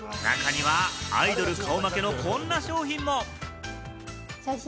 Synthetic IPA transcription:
na̰kaɲ̟iβaa̰id̪o̞ɾɯ̟kaomake̞no̞kõ̞nːaɕo̞ːçĩmːo̞

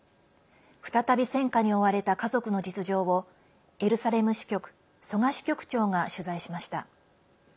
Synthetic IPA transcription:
ɸɯ̟̥t̪at̪abʲisẽ̞ŋkaɲ̟io̞βaɾe̞t̪akazo̞kɯ̟no̞d͡ʑit͡sɨʑo̞ːβo̞ | e̞ɾɯ̟saɾe̞mɯ̟ɕi̥kʲo̞kɯ̟̥ | so̞ŋaɕi̥kʲo̞kɯ̟̥t͡ɕo̞ːŋaɕɨzaiɕimaɕi̥t̪a̰

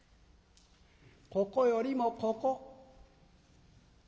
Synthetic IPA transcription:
kɔkɔjɔɾimɔkɔkɔ

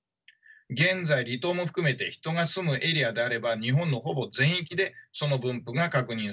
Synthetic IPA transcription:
ɡẽ̞nd͡zaiɾʲit̪o̞ːmo̞ɸɯ̟̥kɯ̟me̞t̪e̞çi̥t̪o̞ŋasɨmɯ̟ʔe̞ɾʲiad̪e̞aɾe̞baɲ̟iɦõ̞nːo̞ɦo̞bo̞zẽ̞ɰ̃ik̬ʲid̪e̞so̞no̞bɯ̟̃mpɯ̟ɡakakɯ̟ɲ̟ĩ

